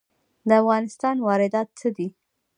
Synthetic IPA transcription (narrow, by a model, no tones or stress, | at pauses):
d̪əafɣɑnɪst̪ɑnwɑɾɪd̪ɑt̪səd̪i